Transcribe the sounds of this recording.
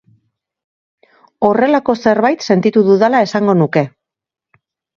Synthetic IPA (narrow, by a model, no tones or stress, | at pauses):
o̞re̞lako̞se̞ɾβajt̪se̞nt̪it̪uðuðalae̞saŋɡo̞nuke̞